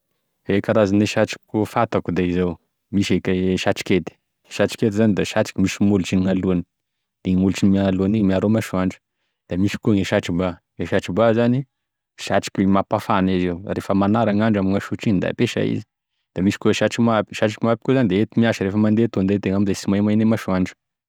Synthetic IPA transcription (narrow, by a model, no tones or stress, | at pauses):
ekaɾazaneʃaʈ͡ʂi̥kkufat̪akud̪eizaw | miʃekeʃat͡ʃi̥ket̪i̥ | ʃat͡ʃi̥ked̪izanid̪aʃat͡ʃi̥kʲimiʃimult͡ʃiniŋaluani̥ | d̪̥eŋulut͡ʃinimianaluanimiaɾomaʃuaɳɖ͡ʐu̥ | d̪̥amiʃi̥kuŋeʃaʈ͡ʂiba | ŋeʃaʈ͡ʂibazani | ʃaʈ͡ʂi̥kʲimapafanizeurefəmanaɾaŋaɳɖ͡ʐamiŋaʃuʈ͡ʂinid̪a̰peʃa̰ḭzi̥ | d̪̥amiʃi̥kuʃaʈ͡ʂimapi̥ʃaʈ͡ʂi̥kimapikuzanid̪eet̪imiaʃəɾefəmand̪et̪ond̪et̪eŋamizasimajmanemaʃuaɳɖ͡ʐu̥